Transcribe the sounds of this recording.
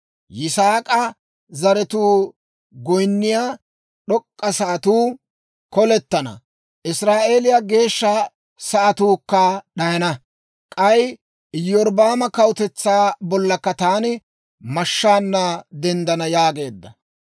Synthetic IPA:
jɪsaːkʼɐ | zɐɾɛt̪uː | ɡɔjnːɪjaː | ɗɔkʼːɐsɐʔɐt̪uː | kɔlɛt̪ːɐnɐ̰ | ʔɪsɾaːʔe̞ːlɪjaɡe̞ːʃːa | sɐʔɐt̪uːkːɐɗɐjɐnɐ | kʼɐj | jːɔɾbaːmɐkɐwʊt̪ɛt͡sːaːbɔlːɐkːɐt̪aːnɪ | mɐʃːaːnːɐd̪ɛnd̪ɐnɐjaːɡe̞ːd̪ːɐ

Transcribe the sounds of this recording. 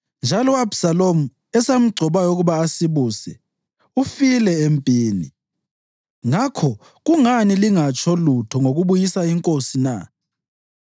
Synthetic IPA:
nd͡ʒʱalɔabsalomu | ɛsam̩ɡ͡ǀʱɔβajɔuɣuβaːsiβusɛ̰ | ufilɛempʼiːnḭ | ŋakʰɔ | ɣuŋaniliŋat͡ʃʼʰɔlutʰɔŋoɣuβujisaiŋkʼosina̰

